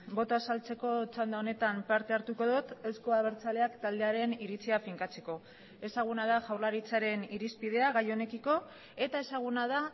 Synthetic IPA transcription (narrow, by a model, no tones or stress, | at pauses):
bo̞t̪oasalt͡se̞ko̞t͡ʃand̪aone̞t̪ampaɾt̪e̞aɾt̪uko̞ðut̪e̞wskoaβe̞ɾt͡sale̞akt̪ald̪e̞aɾe̞niɾit͡siafiŋkat͡se̞ko̞ | e̞saɣ̞unað̞aʝawɾlaɾit͡saɾe̞niɾispið̞e̞aɣajo̞ne̞kiko̞ | e̞t̪ae̞saɣ̞unaða